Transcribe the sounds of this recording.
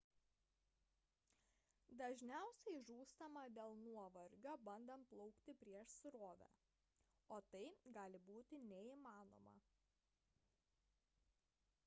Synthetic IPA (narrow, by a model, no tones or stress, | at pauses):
d̪ɐʒʲnʲæˑʊsʲɛɪʒuːst̪ɐmɐd̪ʲeːlˠnuɔʋɐɾʲɡʲobɐnd̪ɐmplˠɒʊkt̪ʲɪpʲɾʲiɛʃsɾoːʋʲæ̰ | oːt̪ɐɪɡɑːlʲɪbuːt̪ʲɪnʲɛiːmɑːno̰ːmɐ̰